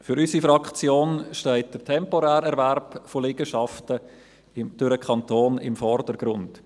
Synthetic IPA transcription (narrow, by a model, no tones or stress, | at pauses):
fʏɾysifɾɑkχt͡sjoːnʃtɛɪt̚d̥ətʰɛmpoɾæːɾɛɾvæɾbfolɪɡ̥əʃɑftə | ɪmd̥yɾəkχɑntʰoːnɪ̰mfɔrdəɾɡ̥ɾʊnd̥